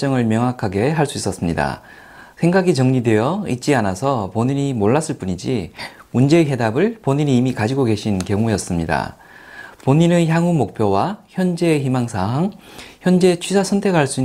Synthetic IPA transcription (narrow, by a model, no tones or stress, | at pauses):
t͡ɕ͈ʌŋɯɭmjʌŋɦakʰaɡe̞ɦaɭs͈uis͈ʌs͈ɯmɲida̰ | sʰe̞ŋɡaɡit͡ɕʌŋɲide̞jʌit̚t͡ɕ͈ianasʰʌpoɲiɲimoɭːas͈ɯɭp͈uɲid͡ʑimund͡ʑe̞ːɦe̞dabɯɭpoɲiɲiːmikad͡ʑiɡoɡe̞ɕʰinkjʌŋujʌs͈ɯmɲida̰ | poɲinɯnçjaŋɦumok̚pʰjowaçjʌnd͡ʑe̞çimaŋsʰaɦaŋ | çjʌnd͡ʑe̞t͡ɕʰɥisʰasʰʌntʰe̞ɡɦaɭs͈ui